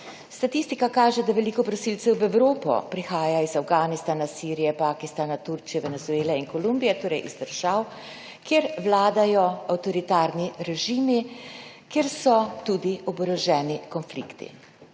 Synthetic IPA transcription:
st̪at̪ist̪ikakaːʒɛd̪aʋɛlikɔpɾɔsilsɛwʋɛwɾoːpɔ̰pɾixaːjaizawɡaːnist̪aːnasiːɾijɛpaːkist̪aːnat̪uɾt͡ʃijɛʋɛnɛzueːlɛinkɔlumbijɛt̪oːɾɛjʔizd̪əɾʒaw | kjeɾʋlaːd̪ajɔawt̪ɔɾit̪aːɾniɾɛʒiːmi | keːɾsɔt̪ud̪iɔbɾɔʒɛːnikɔnflḭːkt̪ḭ

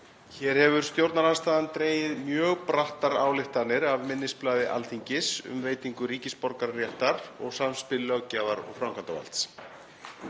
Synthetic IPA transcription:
çɛɾ̥hɛvʏɾ̥st̪jowɾt̪naɾast̪aːðant̪ɾeːjɪðmjœːɣpɾaht̪aɾaːwlɪht̪anːɪɾavmɪnːɪsplaːðɪʔa̰lθiɲcɪsʏ̰mveːjt̪iŋkʏɾiːcɪspɔɾkaɾrjɛht̪aɾɔɣsamspɪlːœɣcaːvaɾɔ̰ɣfɾawmkʰant̪ava̰lt̪s

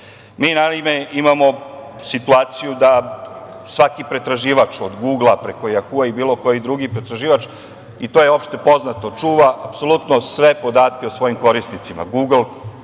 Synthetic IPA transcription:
miːnaime̞imamo̞sit̪uaːt̪sijud̪a | sʋakipɾe̞t̪ɾaʒiːʋat͡ʂod̪ɡuːɡlˠapɾe̞ko̞jaxuaibiːlˠo̞ko̞jid̪ɾuɡipɾe̞t̪ɾaʒiːʋat͡ʂ | it̪oːjeo̞pʃt̪e̞po̞znat̪o̞t͡ʂuːʋaʔapso̞lˠut̪nosʋe̞po̞d̪aːt̪keosʋo̞jimko̞ɾisnit̪sima̰ɡuːɡl̩ˠ

